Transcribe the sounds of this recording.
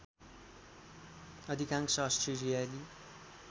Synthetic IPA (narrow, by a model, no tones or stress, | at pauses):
ʌd̪ʱikãŋksʌsʈrelijali